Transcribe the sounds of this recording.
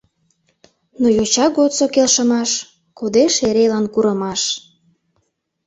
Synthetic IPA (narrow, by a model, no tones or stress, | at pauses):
nojot͡ɕɑɡot̪t͡sokelʃəmɑʃ | kod̪eʃeɾelɑnkuɾəmɑʃ